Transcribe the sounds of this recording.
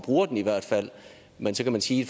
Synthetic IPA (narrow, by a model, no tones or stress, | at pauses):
b̥ʁuːɐd̥eniʋæɐ̰d̥fæl̰ | mensɒ̽kʰæmænsiːd̥